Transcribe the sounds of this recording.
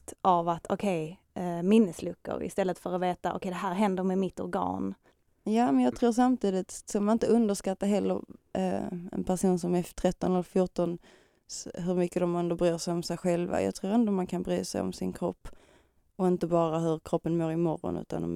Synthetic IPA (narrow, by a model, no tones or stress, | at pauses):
t̪ʔavat̪ʰɔkʰɛj | mɪnːəslɵkːə̰ɾɪ̰st̪ɛlːət̪fœɾaveːt̪aʔɔ̰kʰɛjd̪ɛɦæːɾɦɛnd̪əɾmɛmɪt̪ːɔ̰ɾɡɑ̰ːn | jɑːmɛnjɑːɡ̚t̪ʰɾuːʂamt̪ʰiːd̪ɪt̪sɔmːanɪnt̪əɵnd̪əʂkat̪ːaɦɛlːə̰ɾ̰ | ɛ̰npʰæʂuːnsɔmɛt̪ʰɾɛt̪ːɔnɛlfjuʈɔn | sɦɵɾmʏkːəd̪ɔmɛnd̪ɔbɾyːʂɛjɔmsɛjɧɛlva̰jʔɑ̰ːɡt̪ʰɾuːɾɛnd̪ɔmankʰanbɾy̰ːsɛ̰jɔ̰msɪnkʰɾɔpː | ɔɪnt̪əbɑːɾaɦɵɾkʰɾɔpːənmoːɾɪmɔɾːɔ̰nʉ̟̰ːt̪a̰nd̪ɔ̰m